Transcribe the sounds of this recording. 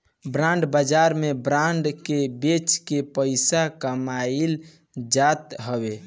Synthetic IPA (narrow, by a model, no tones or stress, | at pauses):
bɾãɳɖbad͡ʒaɾmebɾãɳɖkebet͡ʃkepəɪsakəmail | d͡ʒat̪ɦəbe